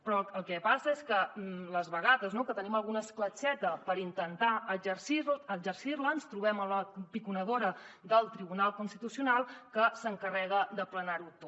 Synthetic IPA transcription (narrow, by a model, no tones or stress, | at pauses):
pɾɔəlˠkɛpasəeskələzβəɣaðəznokət̪əniməlˠɣunəsklət͡ʃɛt̪əpəɾint̪ənt̪aəd͡ʒərsiɾəd͡ʒərsirlənst̪ɾuβɛmələpikunəðoɾəðəlˠt̪ɾiβunalˠkunst̪it̪usiunalˠkəsəŋkərɛɣ̞əd̪əplənaɾut̪o